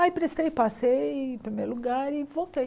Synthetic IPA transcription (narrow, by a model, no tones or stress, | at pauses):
ajpɾest̪ejpasej̃pɾimeɾluɡaɾɪvot̪e